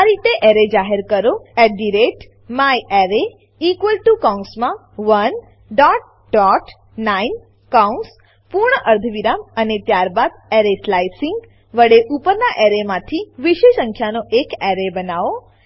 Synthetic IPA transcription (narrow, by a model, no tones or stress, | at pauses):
aɾit̪eʔɛɾed͡ʒaɦeɾkəɾoɛɖiɾeʈ | majɛɾe | ikʋəlʈukãnsmã | ʋən | ɖɔʈ̚ | ɖɔʈ | nain | kauns | puɾɳəʔəɾd̪ʱəʋiɾamənet̪jaɾbad̪ɛɾeslajsiŋɡ | ʋəɽeʔupəɾnaʔɛɾemãt̪ʰiʋiʃeʃə̃ŋkʰjanoʔekɛɾebənaʋo